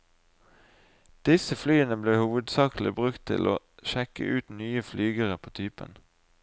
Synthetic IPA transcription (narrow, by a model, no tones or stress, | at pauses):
d̪̥ɪsəflyːənəbleːhuːʋəd̪sɑːkl̩ɪbʁʉkt̪ʰɪ̰lʔoː | ʃɛkə̰ʔʉːt̪nyːəflyːɡəʁəpʰoːt̪ʰyːpə̰n